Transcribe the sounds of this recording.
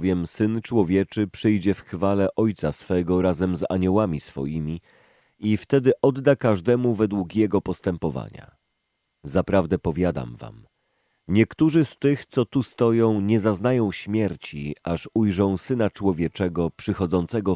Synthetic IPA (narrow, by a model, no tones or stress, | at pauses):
vʲjɛmsɘnt͡ʂwɔvʲjɛt͡ʂɘpʂɘjd͡ʑɛfxfalɛʔɔjt̪sasfɛɡɔɾazɛmza̰ɲɔwamʲisfɔ̰jimʲi | ift̪ɛd̪ɘʔɔd̪ːakaʐd̪ɛmuvɛd̪wukjɛɡɔpɔst̪ɛmpɔva̰ɲa̰ | zapɾavd̪ɛpɔvʲjad̪a̰mva̰m | ɲɛkt̪uʐɘst̪ɘxt̪sɔt̪ust̪ɔjɔ̃w̃ɲɛzaznajɔ̃w̃ɕmʲjɛɾt͡ɕiaʂujʐɔ̃w̃sɘnat͡ʂwɔvʲjɛt͡ʂɛɡɔpʂɘxɔd̪zɔnt̪sɛɡɔ